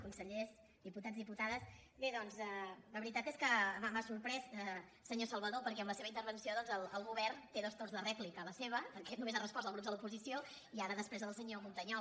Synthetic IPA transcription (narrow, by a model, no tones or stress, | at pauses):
kunsəʎez | d̪iput̪ad͡zzðiput̪aðəsbeðɔnzɛləβəɾit̪at̪eskəmamasuɾpɾɛsɛ | səɲosəlˠβəðopəɾkɛəmləseβəint̪əɾβənsioðɔnzəlˠəlˠɣuβɛrnt̪eðəst̪onzðərɛklikələseβ̞əpəɾkɛnumezarəspɔzəlɣɾuzðəlupuzisio | iaɾəðəspɾezðəlˠsəɲomunt̪əɲɔ